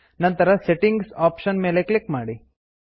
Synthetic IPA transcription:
nɐnt̪ɐɾɐseʈiŋɡsaːpʃɐnme̞ːle̞klikmaːɽi

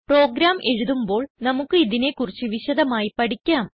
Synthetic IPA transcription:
pro̞ːɡɾaːmʔe̞ɻuðumbo̞ːɭnɐmukːɨiðine̞kːurit͡ɕːɨʋiɕɐðɐmaːjipɐɽikʲːaːm

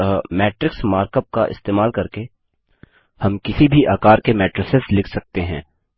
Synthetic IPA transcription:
mɛːʈɾɪksmaːɾkəp̚kaʔɪ̰st̪eːmaːlkɐɾke | hɐmkɪsibʱiʔaːkaːɾkemɛːʈɾɪsɪslɪkʰsɐk̚t̪eɦɛ̃ː

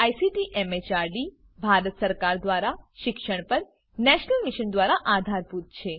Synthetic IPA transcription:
ajsiʈiʔɛmet͡ʃaɾɖi | bʱaɾət̪səɾkaɾd̪ʋaɾaʃɪkʃəɳ̃pəɾ | nɛʃnəlmiʃənd̪ʋaɾaʔad̪ʱaɾput̪̚t͡ʃʰe

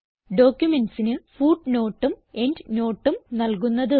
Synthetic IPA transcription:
ɖo̞ːkʲjumenɖsinɨfuːɖno̞ːʈːume̞ndno̞ːʈːumnɐlk̬unːɐðɨ

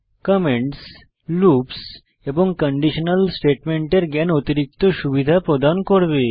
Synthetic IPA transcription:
kəmeɳʈs | luːps | eboŋɡkəɳɖiɕənəlsʈeʈmeɳʈeɾɡjanɔt̪iɾik̚t̪osuʋid̪ʱapɾɔd̪ankoɽʋe

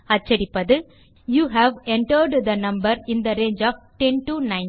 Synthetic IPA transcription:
ɐt͡ʃːɐɾɪpːɐðɯ | juːɦæʋɛɳʈəɾɖd̪ɐnɐ̃mbɐɾɪ̃nd̪ɐɾeːnd͡ʒɔːfʈɛnʈunãɪ̃

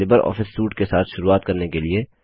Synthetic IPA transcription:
ɪbəɾɔ̰ːfɪsːuːʈkesaːt̪ʰʃʊɾuaːt̪kɐɾnekelie

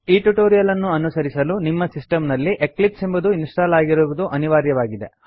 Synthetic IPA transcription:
iːʈuʈoːɾijɐlɐnːuɐnusɐɾisɐlunimːɐsisʈɐmnɐlːiʔeklipsembud̪uinsʈaːlaːɡiɾuːʋud̪uʔɐniʋaːɾjɐʋaːɡid̪e̞

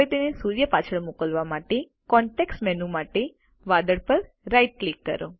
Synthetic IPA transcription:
et̪enesuɾjəpat͡ʃʰəɭmukəlʋamaʈe | kɔɳʈeksʈmɛnũmaʈe | ʋad̪əɽpəɾ | ɾajʈ̚klikːə̰ɾo̰

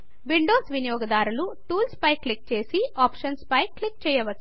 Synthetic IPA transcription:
ʋiɳɖoːsʋinijɔːɡɐd̪aːɾuluʈuːlspɐjklik̚t͡ʃe̞ːsiaːpʂɐnspɐjklik̚t͡ʃɛːjɐʋɐt͡ʃː

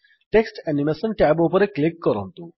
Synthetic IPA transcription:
ʈeksʈɛnimesənʈabopəɾekːlikːəɾə̰̃nt̪uː

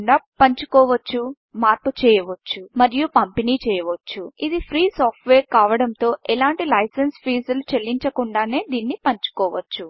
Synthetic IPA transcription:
ɳɖaːpɐɲt͡ʃu̥kɔːʋɐt͡ʃːu | maːɾput͡ʃɛːjɐʋɐt͡ʃːumɐɾijupɐmpeniːt͡ʃɛːjɐʋɐt͡ʃːuid̪ipʰɾiːsaːpʈʋeːɾkaːʋɐɽɐnt̪o̞ːʔɛlaːɳʈilɐjsenspʰiːsɐlut͡ʃelːiɲt͡ʃɐkuɳɖaːne̞ːd̪iːnːipɐɲt͡ʃu̥kɔːʋɐt͡ʃːu

